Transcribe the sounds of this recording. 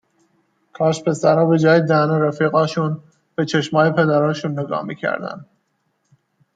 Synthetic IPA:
kʰɒːʃpʰe̞sæɾɒːbe̞d͡ʒɒːjed̪ænoɾæfiːɣɒːʃun | b̥et͡ʃʰeʃmɒːjepʰe̞d̪æɾɒːnʃunːeɡɒ̰ːhmḭːcʰæ̰ɾd̪æ̰n

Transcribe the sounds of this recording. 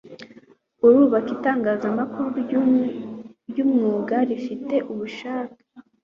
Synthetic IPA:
uɾuːβakitaːŋɡaːzamakuɾuɾ | ɾjumŋuːɡaɾifite̞ʔuβuʃaːti̥

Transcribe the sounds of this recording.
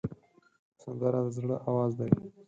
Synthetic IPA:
sand̪aɾad̪əzɽəʔawɑzd̪aj

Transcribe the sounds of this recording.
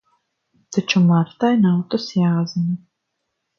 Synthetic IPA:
t̪ʰɐt͡ʃʰɐmart̪ʰaːjnawt̪ʼɐsjaːzɐnɐ

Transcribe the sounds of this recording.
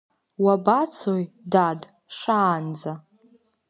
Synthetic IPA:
wabat͡sʰoj | dad | ʂaːnd͡za

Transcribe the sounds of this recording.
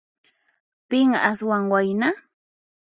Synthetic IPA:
pɪŋaswaŋwajna

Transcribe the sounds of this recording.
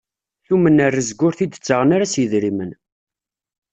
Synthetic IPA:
θumənərːəzɡːʊɾθid̪ət͡sːəʁənaɾasjəðɾimən

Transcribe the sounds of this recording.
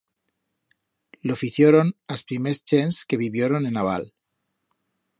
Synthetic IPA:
lofiθjoɾonaspɾimest͡ʃenske̞βiβjeɾo̞ne̞naβ̞a̰l

